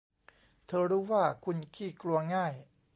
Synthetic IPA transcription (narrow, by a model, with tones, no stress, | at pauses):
t̪ʰɤː˧ɾuː˦˥waː˥˩kʰu˧nkʰiː˥˩klu˧ɐŋaː˥˩j